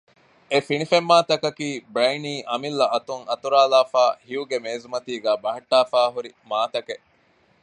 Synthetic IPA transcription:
efinifemːaːt̪ɐkɐkiːbɾeːniːʔɐmilːɐɐt̪uŋɐt̪uɾaːlaːfaːhiuɡemeːzumɐt̪iːɡæːbɐɦɐʈːaːfaːɦuɾimaːt̪ɐke

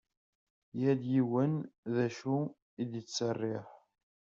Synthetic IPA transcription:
jæd̪jiwənðæʃu | id̪jət͡sːərˤːɪħ

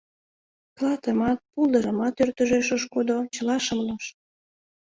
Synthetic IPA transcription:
klɑt̪əmɑt̪̚pulˠd̪əɾəmɑt̪ørt̪əʒeʃəʃkod̪ot͡ɕəlɑʃəmloʃ

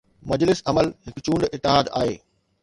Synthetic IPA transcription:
mɐd͡ʑlɪsɐməlɦɪkt͡ɕũːɳɖɪt̪ːɪɦaːd̪a̰ːɦḛː

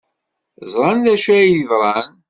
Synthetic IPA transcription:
zˤɾˤɑnðæʃæjiðɾˤɑn

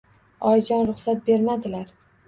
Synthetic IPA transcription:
ɒjd͡ʒɒnɾʊχsat̪̚be̞ɾmad̪ɪlaɾ

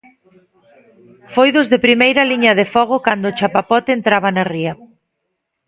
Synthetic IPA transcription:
fojðʊzðepɾimejɾɐliɲɐðefɔɣ̞ʊkand̪ʊt͡ʃapapɔt̪ent̪ɾaβɐnariɐ

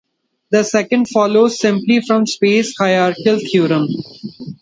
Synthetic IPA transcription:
d̪əsɛkə̃ɳɖfɔːloːzsɪ̃mplifɾɔ̃mspeːshaɪaːɾʈəlt̪ʰjuːɾə̃m

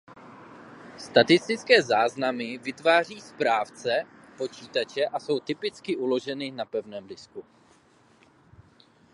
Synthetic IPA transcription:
st̪at̪ɪst̪ɪt͡skɛːzaːznamɪvɪt̪vaːr̝iːspɾaːft͡sɛpo̞t͡ʃiːt̪at͡ʃɛʔaso̞wt̪ɪpɪt͡skɪʔulo̞ʒɛnɪnapɛvnɛːmdɪsku

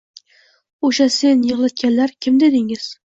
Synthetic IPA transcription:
oʃasenjɨʁlˠɪt̪̚kʲanlaɾkʲʰɪmd̪ed̪ɪŋɪz̥

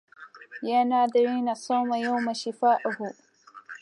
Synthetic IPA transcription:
janaːdɪɾiːnasˤaːmajawmaʃɪfaːʔʊhu

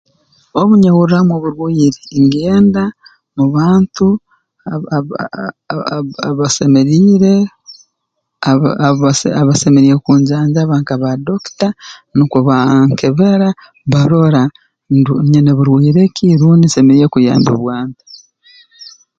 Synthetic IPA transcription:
oβuɲeβuɾuɾamwoβuɾwiːɾeːŋɡeːnda | muβaːntu | βasemeɾiːɾe | a | aβasemeɾiɾekuːɲɟaːɲd͡ʒaβaːŋkaβadoki̥tanukuβaŋkeβeɾa | βaɾo̞ɾa | ndɲeneβuɾwiːɾekiɾuːndisemeɾijekuja̰ːmbo̰βwaːntḁ

